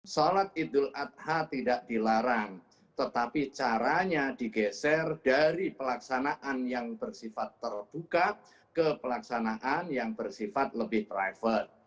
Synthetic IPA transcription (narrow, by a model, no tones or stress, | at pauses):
solat̪̚id̪ʊlat̪̚hat̪idaʔdilaɾaŋ | t̪ət̪apit͡ʃaɾaɲadiɡɛsɛrdaɾipəlaksanaʔanjaŋb̥ərsifat̪ːərb̥uka | kəpəlaksanaʔanjaŋbərsifat̪̚ləbɪht̪ɾajfət̪̚